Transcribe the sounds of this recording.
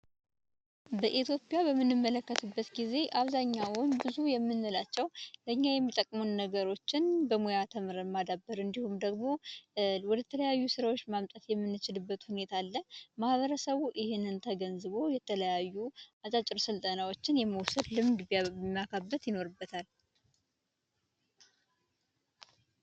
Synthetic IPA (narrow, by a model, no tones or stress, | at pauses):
bəʔit̪ʰjo̞pʼjabəmːɨnːɨmːələkːət̪ʰɨbːət̪ɡize̞ʔaβzaɲːawʊnbɨzujɛmːɨnːɨlat͡ʃːɛwləɨɲːajɛmːit̪ʼəkʼːmunːəɡəɾo̞t͡ʃːɪnbəmojat̪ʰəmɨɾənmad̪abːəɾɨnd̪ihumd̪əɡmo̞wɔd̪ət̪ʰələjajːusɨɾawot͡ʃːmamt̪ʼat̪jɛmːɨnːɨt͡ʃɪlɨbːət̪hune̞t̪ʰalːəmahβəɾəsəβuʔɪhɪnːɨnt̪ʰəɡənzɨβo̞jɛt̪ʰələjajːuat͡ʃʼat͡ʃʼɪɾsɨlt̪ʼənawo̞t͡ʃːɪnjɛməwsəd̪lɨmd̪mːakʰabːət̪jɪno̞ɾɨbːət̪ʰal